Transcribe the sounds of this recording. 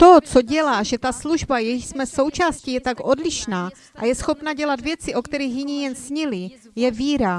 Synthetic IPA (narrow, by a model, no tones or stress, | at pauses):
t̪ot͡soɟɛlaːʒɛt̪asluʒbajɛjsmɛso̞wt͡ʃaːscijɛt̪akʔo̞dlɪʃnaː | ʔa̰jɛsxo̞pnaɟɛlad̪vjɛt͡sɪʔo̞kt̪ɛɾiːxjɪɲijɛnsɲɪlɪ | jɛviːɾa